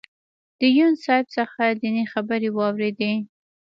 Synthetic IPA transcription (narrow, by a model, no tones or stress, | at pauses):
d̪̥əjunsɑjbsəxazinexabəɾewɑwɾed̪e